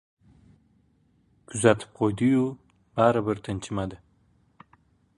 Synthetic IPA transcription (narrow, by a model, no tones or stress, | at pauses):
kʊzat̪ʰə̥p̚qojd̪iju | baɾabəɾt̪ʰənt͡ʃimad̪ə